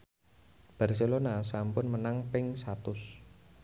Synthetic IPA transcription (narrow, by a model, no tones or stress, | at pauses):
b̥a̤rselonasampʊnmənaŋpɪŋsat̪ʊs